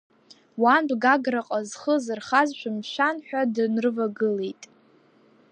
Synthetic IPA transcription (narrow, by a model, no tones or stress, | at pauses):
wanbɡaɡraqʼazχəzɨrχazʃʷᶣamʃʷᶣanħᶣadɨnrɨvaɡɨlejtʼ